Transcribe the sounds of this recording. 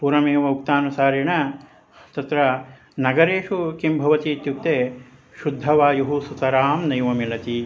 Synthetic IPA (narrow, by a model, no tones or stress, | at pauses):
puːɾɐmeːʋɐuk̚t̪aːnusaːɾiɳɐ | t̪ɐt̪ɾɐ | nɐɡɐɾeːʂukimbʱɐʋɐt̪iːt̪juk̚t̪eː | ʃud̪ʱːɐʋaːjuɦusut̪ɐɾaːmnɐjʋɐmilɐt̪i